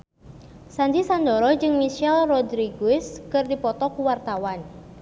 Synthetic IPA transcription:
sandisandɔɾɔd͡ʒɨŋmiʃɛlrɔdɾiɡuɪskɨrdipɔt̪ɔkuwart̪awan

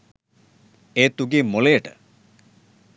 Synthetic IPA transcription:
et̪uɡimoleʈə̰

